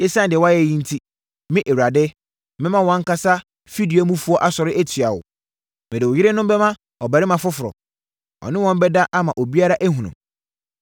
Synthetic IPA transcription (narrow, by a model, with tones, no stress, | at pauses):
ɪ˦sã˦n˨dɪ˨ɛ˨wɔ˦a˦jɛ˨˦˨jĩ˦n̩˦tʰi˦ | mɪ̃˦ʔe˨wu˨ɾa˨dɪ˦ | mɪ̃˦mã˦wɔ̃˦ŋ̩˦ka˦sa˦ | fi˦di˨˦mũ˦fu˦ɔ˦ʔa˦sɔ˨ɾɪ˦ʔæ˦tʰɥa˨wʊ̰˨ | mɪ̃˨dɪ˨wʊ˨jɪ˦ɾɪ˦nʊ̃˦m˦bɛ˦mã˦ | ɔ˨bæ˨ɾɪ˦mã˨fʊ˦fʊ˨ɾɔ̰˨ | ɔ̰˨nɪ̃˦wɔ̃˦m˦bɛ˦da˦ʔa˦mã˨ʔo˨bi˦a˦ɾa˦ʔæ˦ɦũ˨nʊ̰̃˨m